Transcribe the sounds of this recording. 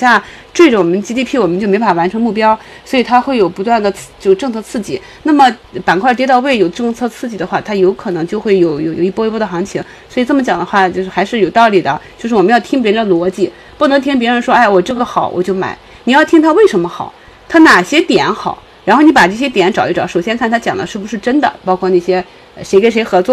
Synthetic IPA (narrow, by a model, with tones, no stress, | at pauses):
ɕja˥˩ | ʈ͡ʂwe˥˩ɪʈ͡ʂə˩wɔ˨˩mə˦nt͡ɕi˧˥i˥˧pʰi˥˩wɔ˨˩mə˦nt͡ɕjo˥˩me˧˥ɪpa˥˩wa˧˥nʈ͡ʂʰɤ˧˥ŋmu˥˩pjɑ˥ʊswɔ˧˥i˨˩t̪ʰa˥xwe˥˩ɪjo˨˩ʊpu˧˥t̪wa˥˩nd̪ə˩t͡st͡ɕjo˥˧ʂʈ͡ʂɤ˥˧ŋt͡sʰɤ˥˧t͡sʰɹ̩˥˩t͡ɕi˥˩˦ | na˥˩mə˩pa˨˩nkʰwa˥˩t̪jɛ˥t̪ɑ˥˧ʊwe˥˩ɪjo˨˩ʊʈ͡ʂɤ˥˧ŋt͡sʰɤ˥˧t͡sʰɹ̩˥˧˩t͡ɕi˥˩d̪ə˦xwa˥˩t̪ʰa˥jo˧˥ʊkʰɤ˨˩nɤ˧˥ŋt͡ɕjo˥˧ʊxwe˥˩ɪjo˨˧˩ʊjo˨˩ʊjo˨˩ʊi˥˩pwpw̪ə˩xɑ˧˥ŋt͡ɕʰi˧˥ŋ | swi˨˩t͡sɤ˥˩mə˩t͡ɕjɑ˨˩ŋd̪ə˦xwa˥˩t͡ɕjo˥˧ʊʂ̩˥˩xa˧˥ɪʂɻ̩˥˩jo˨˩ʊt̪ɑ˥˩ʊli˨˩d̪ə˦t͡ɕjo˥˧ʊʂɻ̩˥˩wɔ˨˩m˧˦jɑ˥˩ʊt̪ʰi˥ŋpjɛ˧˥ɻnd̪ə˧lwɔ˧˥t͡ɕi˥˩ | pu˥˩nɤ˧˥ŋt̪ʰi˥ŋp̬jɛ˧˥ɻə˧˥nʂwɔ˥a˥˩ɪwɔ˨˩ʈ͡ʂɤ˥˩ɡə˩xɑ˨˩˦ʊwʔɔ̰˨˩t͡ɕjo˥˩ʊma̰˨˩˦ɪ | ni˨˩jɑ˥˩ʊt̪ʰi˥ŋt̪ʰa˥we˥˩ɪʂə˧˥nmə˧xɑ˨˩˦ʊ | t̪ʰa˥na˨˩ɕjɛ˥t̪jɛ˨˧˥nxɑ˨˩˦ʊ | ɻa˧˥nxo˥˩ʊni˧˥pa˨˩ʈ͡ʂɤ˥˩ɕ̬jɛ˥t̪jɛ˨˧˥nʈ͡ʂɑ˨˩ʊi˥˩ʈ͡ʂɑ˨˧˥ʊʂo˨˩ʊɕjɛ˥nkʰa˥˩nt̪ʰa˥t͡ɕjɑ˨˩ŋd̪ə˦ʂɻ̩˥˩bu˧˩ʂɻ̩˥˩ʈ͡ʂə˥nd̪ə̰˨pɑ˥ʊkʰwɔ˥˧na˥˩ɕjɛ˥˧ | ʂe˧˥ɪke˧˩ɪʂ̬ɪxɤ˧˥t͡swɔ˥˩